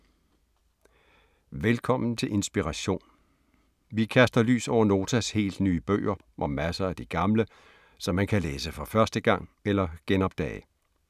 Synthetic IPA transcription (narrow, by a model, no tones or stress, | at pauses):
ʋelkʰɒ̽m̰n̩t͡sʰe̝lʔe̝nsb̥iʁɑɕo̝̰ːn | ʋikʰæsd̥ɐly̰ːsɒʊ̰ɐno̝ːt͡sʰæshe̝̰ːld̥nyːəb̥ø̰ːɐ | ʔɒ̽mæsɐæd̥iɡ̥ɑ̈mlə | sɒ̽mːænkʰæleːsəfɒ̽fɶɐsd̥əɡ̥ɑ̈ŋ̰elɐɡ̥enɒ̽b̥d̥ɛ̰ːɪ